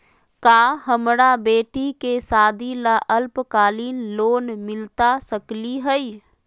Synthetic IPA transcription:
kaːɦəmɾabeːʈikesaːd̪ʱilaʔəlpkaːliːnloːnmɪlt̪asəkliɦɛi

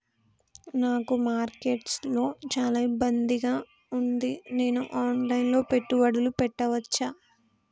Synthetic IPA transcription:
naːkumaːɾke̞ːʈslo̞ːt͡ʃaːlaibːɐnd̪iɡaː | und̪ine̞ːnuʔaːnlɐjnlo̞ːpe̞ʈːuʋɐɽulupɛʈːɐʋɐt͡ʃːaː

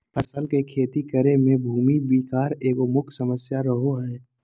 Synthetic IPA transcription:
pʰəsəlkekʰeːt̪ikəɾemẽbʱuːmibiːkaːɾeːkomʊkʰsəməsjaɾəɦoɦɛː

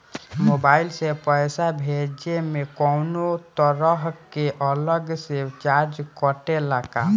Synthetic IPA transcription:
mobailsepəjsabʱed͡ʒemekɔwnot̪əɾəɦkeʔələɡset͡ʃaɾd͡ʒkəʈelaka

